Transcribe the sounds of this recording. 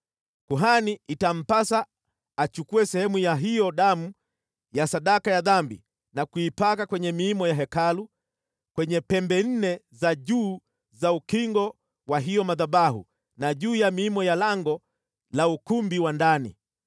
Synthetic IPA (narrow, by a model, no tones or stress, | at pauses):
kuɦaniitam̩pasaː | t͡ʃukuɛsɛhɛmujaɦijɔɗamu | jasaɗakajaðambḭ | nakuipakakwɛɲɛmiːmɔjaɦɛkalu | kwɛɲɛpɛmbɛn̩nɛzaʄuː | zaukiŋɡɔ | waɦijɔmaðaɓahṵ | naʄuːjamiːmɔjalaŋɡɔ | laukumbiwandanḭ